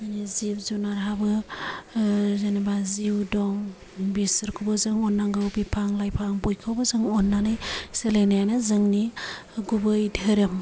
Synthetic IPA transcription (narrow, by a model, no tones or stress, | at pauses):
anizip̚zunaɾɦabɯ | zanibaziwdɔŋ | bisɯɾkʰubɯzɯŋɔnːaŋɡɯwbipʰaŋlajpʰaŋbojkʰɯwbɯzɯŋɔnːanɯjselenajanɯzɯŋniɡubɯjdɯɾɯm